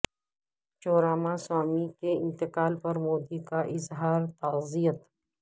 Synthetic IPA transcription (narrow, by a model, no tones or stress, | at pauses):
t͡ʃoːɾaːmaswaːmikeɪ̃nt̪ɪqaːlpɐɾmoːd̪ikaʔɪzɦaːɾt̪ɐzijət̪